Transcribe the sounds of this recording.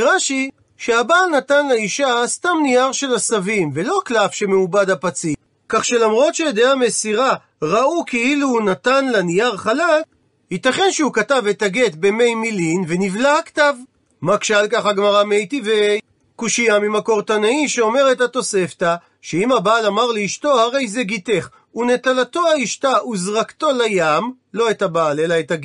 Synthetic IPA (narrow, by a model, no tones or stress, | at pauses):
ʁaʃi | ʃeabaːlnat̪anlaiʃastamnijaʁʃe̞lasavimve̞lo̞klafʃe̞meubad̪apat͡si | kaχʃe̞lamʁo̞t̪ʃed̪eamesiʁa | ʁaukeilunatanlanijaʁχalak | hit̪aχe̞nʃehukatavet̪aɡe̞t̪be̞me̞jmilinvenivlaaktav | makʃalkaχaɡmaʁamejtive | kuʃiamimako̞ʁt̪anaiʃeo̞me̞ʁetat̪o̞se̞fta | ʃeimhabaːlamaʁleiʃto̞haʁe̞jzeɡit̪e̞χ | une̞t̪alato̞haiʃtauzʁakto̞lajam | lo̞etabaːle̞laetaɡe